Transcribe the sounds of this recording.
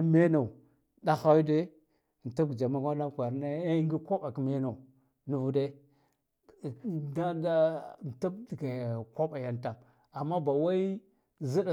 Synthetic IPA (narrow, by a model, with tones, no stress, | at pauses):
me˦na˨u˨ | da˦xa˦wi˦de˦˨ | n̩˨ta˦b̚ɡd͡ʒa˨ma˦kʷa˦na˦kʷa˨ɾna˦ŋɡi˦kʷo˦ba˨kme˦na˨u˨ | nu˦vu˦de˦˨ | da˦da˦˨n˨ta˦b̚dɡa˨kʷa˦ɓa˨ja˨nta˨m | a˨mːa˦ba˨wa˦i˦ | zi˦da˨